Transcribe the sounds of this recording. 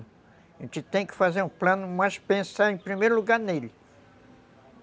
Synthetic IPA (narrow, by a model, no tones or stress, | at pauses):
ʊ | ẽt͡ʃɪt̪ẽj̃kɪ̥fazeɾũplɐ̃nʊmajʃpẽsaɾẽj̃pɾimejɾʊluɡaɾnelɪ